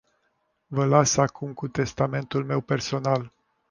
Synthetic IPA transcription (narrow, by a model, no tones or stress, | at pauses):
vəlasakʰumkut̪e̞st̪ame̞nt̪ulme̞wpe̞rso̞nal